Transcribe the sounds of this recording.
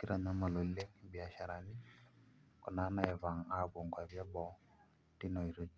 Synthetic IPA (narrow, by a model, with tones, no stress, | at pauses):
ki˦ɾa˨ɲa˦ma˨lo˨le˦ŋbɪ˨a˨ʃa˨ɾa˨ni˦ | kɔ˨na˨˦na˨ɛ˨va˨ŋa˦bo˨ŋɡwa˨bja˦bɔ˨ | ti˦nɔ˨i˨ɾo˦